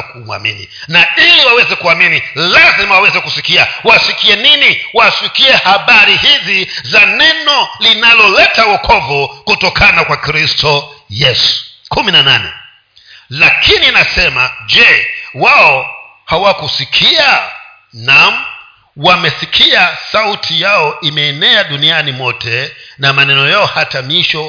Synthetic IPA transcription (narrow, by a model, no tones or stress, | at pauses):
kumwa̰mḭnḭnailiwawɛzɛkuaminilazimawawɛzɛkusikiawasikiɛniniwasikiɛhaɓaɾihizizanɛnɔlinalɔlɛtawɔkʰɔvɔkutɔkʰanakwakɾistʰɔjɛsu̥kuminananɛ̰ | lakʰininasɛmad͡ʒɛwaɔ | hawakusikʰia | nam̩ | wamɛsikʰiasautʰijaɔimɛːnɛaɗunianimɔtʰɛnamanɛnɔjaɔhatamiʃɔ